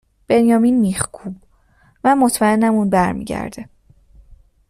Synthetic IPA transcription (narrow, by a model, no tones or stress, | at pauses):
b̥e̞njɒːminmixkʰub̥ | mæmot̪ʰmæenːæmunbæɾmḭːɟæ̰ɾd̪̥e